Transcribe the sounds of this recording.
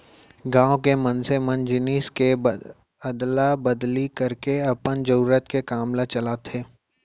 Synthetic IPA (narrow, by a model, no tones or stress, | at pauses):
ɡãːwkemɐnsemɐnd͡ʒɪniːske | əd̪labɐd̪likɐɾkeɐpənd͡ʒəɾuːɾət̪kekaːmlat͡ʃɐlaːt̪ʰeː